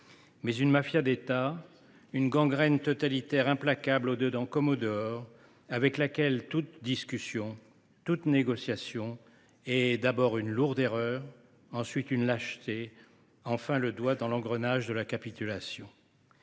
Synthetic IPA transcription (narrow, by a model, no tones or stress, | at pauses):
mɛzynmafjad̪et̪a | ynɡɑ̃ɡʁɛnt̪ɔt̪alit̪ɛʁɛ̃plakablod̪əd̪ɑ̃kɔmod̪əɔʁ | avɛklakʲɛlt̪ut̪d̪iskʲysjɔ̃ | t̪ut̪neɡɔsjasjɔ̃ | ɛd̪abɔʁynluʁd̪eʁœʁ | ɑ̃sɥit̪ynlaʃt̪e | ɑ̃fɛ̃ləd̪wad̪ɑ̃lɑ̃ɡʁənaʒd̪əlakapit̪ylasjɔ̃